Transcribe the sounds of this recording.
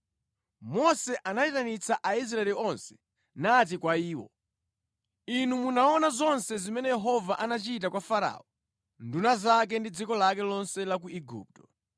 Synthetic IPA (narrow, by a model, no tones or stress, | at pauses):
mɔsɛʔanaitanit͡saʔais̬ɾaɛliɔnsɛ̥ | nat̬ikwaiːwɔ̰ | inumunaɔnazɔnsɛzimɛnɛjɛɦɔvaʔanat͡ʃitakwafaɾa̰ɔ | ndunazak̬ɛndid͡zikɔlak̬ɛlɔnsɛlak̬uiɡṵːp̚tɔ̥